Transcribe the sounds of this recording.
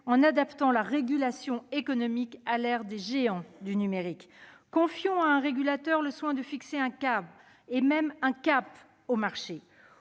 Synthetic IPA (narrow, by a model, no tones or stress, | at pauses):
ɑ̃nad̪apt̪ɑ̃laʁeɡʲylasjɔ̃ekɔnɔmikalɛʁd̪eʒeɑ̃d̪ynymeʁikː | ɔ̃fjɔ̃aɛ̃ʁeɡʲylat̪œʁləswɛ̃d̪əfikseɛ̃kab | emɛmɛ̃kʲap | omaʁʃe